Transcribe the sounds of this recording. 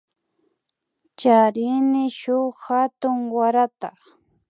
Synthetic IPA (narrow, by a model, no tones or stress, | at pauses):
t͡ʃaɾɪnɪʃʊxat̪ʊŋwaɾat̪a